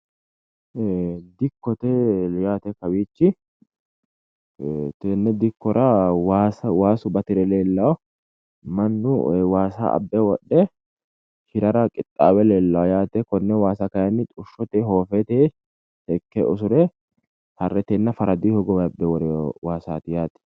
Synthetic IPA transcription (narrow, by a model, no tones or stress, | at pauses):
d̪ɪkːɔt̪ɛjaːt̪ɛkɐwiːt͡ʃːɪ | t̪enːɛd̪ɪkːɔɾɐwaːsɐwaːsʊbɐt̪ɪɾɛleːlːɐw | mɐnːʊwaːsa̰ʔɐ̰bːɛwɔɗːɛ | hɪɾɐɾɐkʼɪt̪ʼːaːwɛleːlːɐwɔjaːt̪ɛkɔnːɛwaːsɐkɐjɐnːɪt̪ʼʊʃːɔt̪eːɦo̞ːfet̪eː | hɛkːɛ̰ʔɔs̬ʊɾɛ | hɐrːɛt̪eːnːɐfɐɾɐd̪iːhɔɡɔwɐbːɛwɔɾɛwaːsaːt̪ɪjaːt̪ɛ̥